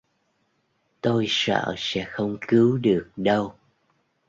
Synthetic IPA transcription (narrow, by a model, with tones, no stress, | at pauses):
t̪o˧jsə̰ː˧˨sɛ̰˧˥xə˧wŋ͡mkɨ˨˦wɗɨ˨˩ək̚ɗə˧w